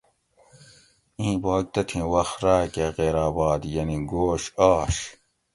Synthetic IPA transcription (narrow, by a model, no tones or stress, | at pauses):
ĩːbaːk̚t̪ɐt̪ʰĩːwɐxɾaːkeɣeːɾaːbɑːd̪jɐniɡoːɕaːɕ